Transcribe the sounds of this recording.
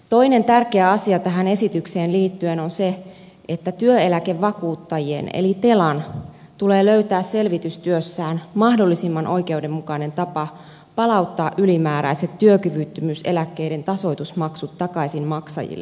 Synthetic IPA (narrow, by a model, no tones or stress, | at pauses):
t̪o̞ine̞nt̪ærkeæɑsiɑt̪æɦæne̞sit̪ykseːnliːt̪ːye̞no̞nse̞ | et̪ːæt̪yøelækeʋːɑkuːt̪ːɑjie̞̰nḛlit̪e̞lɑn | t̪ule̞ːløyt̪æːsse̞lʋit̪yst̪yøsːæːnmɑhdo̞lːisimːɑnʔo̞jke̞ude̞mːukɑine̞nt̪ɑpɑ | pɑlɑwt̪ːɑːʔylimæːɾæ̰jset̪tːyøkyʋyt̪ːymyse̞̰lækːe̞ide̞nt̪ɑso̞jt̪usmɑksut̪ːɑkɑisinmɑksɑ̰jḭlːḛ